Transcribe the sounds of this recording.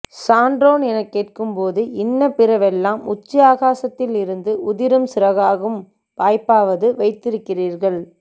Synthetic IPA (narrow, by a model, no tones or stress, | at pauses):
saːɳɖɾoːnɛnɐkːeːʈ̚kɯmpoːðɯɪnːɐpɪɾɐʋɛlːaːmʊt͡ʃːɪaːɣaːsɐt̪ːɪlɪɾɯnd̪ɯʊðɪɾɯmsɪɾɐɣaːɣɯm | paːjpːaːʋɐðɯʋɐɪt̪ːɪɾɯkːɪriːɾɣɐɭ